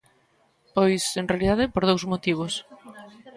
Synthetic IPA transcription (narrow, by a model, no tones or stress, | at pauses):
pojsenrealiðaðɪpoɾðowzmot̪iβ̞os